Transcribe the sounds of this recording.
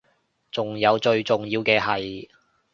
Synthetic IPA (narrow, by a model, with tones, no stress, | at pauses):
t͡sʊ˨ŋjɐ˨˧wt͡ʃɵ˧ɥt͡sʊ˨˩ŋjiː˧wkɛː˧ɦɐ˨j